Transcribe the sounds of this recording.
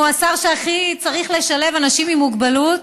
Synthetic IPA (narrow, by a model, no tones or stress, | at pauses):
asaʁʃeaχit͡saʁiχle̞ʃale̞vanaʃimimuɡbalut